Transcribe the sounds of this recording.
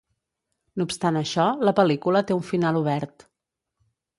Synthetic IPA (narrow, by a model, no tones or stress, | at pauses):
nuːpst̪anəʃɔləpəlikulət̪euɱfinaluβ̞ɛɾt̪